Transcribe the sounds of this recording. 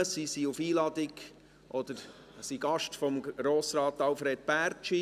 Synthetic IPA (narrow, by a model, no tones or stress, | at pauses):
əsisiufiːlɑd̥̪ɪɡ | ʔɔd̥̪əɾ | siɡ̥ɑʃtfɔmɡ̥ɾoːsɾɑːt̪ɑlfɾed̪̚pæːɾt͡ʃi